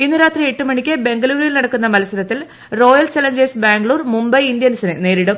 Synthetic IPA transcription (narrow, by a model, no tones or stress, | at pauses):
inːuɾaːt̪rieʈːumɐɳikʲːɨbe̞ŋɡɐluːɾilnɐɽɐkːunːɐmɐlɐsɐɾɐt̪ːil | ro̞ːjɐlt͡ɕɐlɐɲd͡ʑɐrsbaːŋɡɭuːrmumbɐjind̪jɐnsɐnɨne̞ːɾiɽum